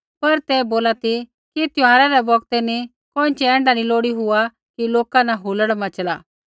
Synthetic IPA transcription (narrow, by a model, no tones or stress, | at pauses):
pɐɾt̪ɛboːlat̪i | kit̪jʊ̃ãːɾaɾɛbɔɡ̚t̪ɛni | kõːɪ̃t͡ʃɛɛ̃ːɳɖaniloːɽiɦʊa | kiloːkanaɦuləɽmɐ̃t͡ʃəla̰ː